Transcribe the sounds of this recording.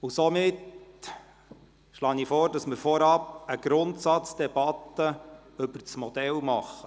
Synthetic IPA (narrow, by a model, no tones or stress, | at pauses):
usɔmɪt | ʃlɑːnifɔːɾdɑsmɪɾfɔɾɑpəɡ̥ɾʊntsɑt͡sd̥ɛbɑt̪ːə | ɵbəɾt͡smɔd̥̪ɛlmɑχːə